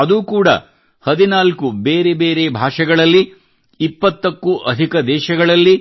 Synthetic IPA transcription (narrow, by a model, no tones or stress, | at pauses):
ɐd̪uːkuːɽɐ̰ | hɐd̪inaːlkubeːɾebeːɾebʱaːʂɐɡɐɭɐlːiː | pːɐt̪ːɐkːuʔɐd̪ʱikɐd̪ɛːʃɐɡɐɭɐlːi